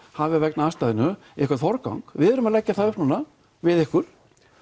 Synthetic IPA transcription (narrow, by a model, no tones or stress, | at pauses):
havɪavɛknaast̪aːðɪnʏ | ɛhkʰaɾt̪fɔɾka̰wŋkvɪðɛɾʏmaðlɛcːaθaðʏhpnuːna | vɪðɛhkʏɾ̥